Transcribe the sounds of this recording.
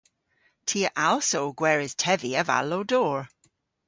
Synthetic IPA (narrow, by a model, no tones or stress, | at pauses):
tʰiəʔalˠsoʊɡwɛːɹɪz̥tʰɛviəva̰lowdɔːɹ